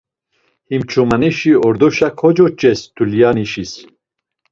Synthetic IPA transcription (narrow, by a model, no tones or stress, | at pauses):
himt͡ʃʰumaniʃiɔɾd̪oʃakʰɔd͡ʒot͡ʃɛst̪ʰulijɑːniʃis